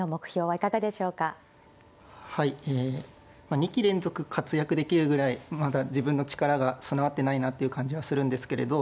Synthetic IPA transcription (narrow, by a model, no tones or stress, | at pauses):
omo̞kɯ̟̥çʲo̞ːβaikaɡad̪e̞ɕo̞ːka | haieː | maɲ̟ikʲiɾẽ̞nzo̞kɯ̟kʰat͡sɨjakɯ̟d̪e̞kʲiɾɯ̟ɡɯ̟ɾaimad̪ad͡ʑibɯ̃nːo̞t͡ɕi̥kaɾaɡasonaβat̪ːe̞nainat̪ːe̞iɯ̟kãɲ̟d͡ʑiβasɨɾɯ̟̃nd̪e̞sɨ̥ke̞ɾe̞̰d̪o̞